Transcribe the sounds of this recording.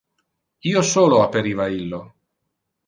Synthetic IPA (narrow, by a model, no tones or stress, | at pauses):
iːosoːloapːeɾiːvailːo